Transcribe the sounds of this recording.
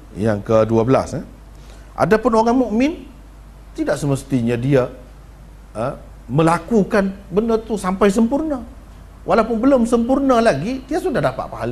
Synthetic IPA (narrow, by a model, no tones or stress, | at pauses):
jaŋkəduabəla̰sə | ʔa̰dapʊnoɾaŋmuʔmɪn | t̪idaʔsəməst̪iɲadia | ə | məlakukanbəndərt̪usampajs̬əmpurna | wʔalawpʊnbəlomsəmpurnalaɡit̪iasundahdapa̰ʔ̪̚paɦal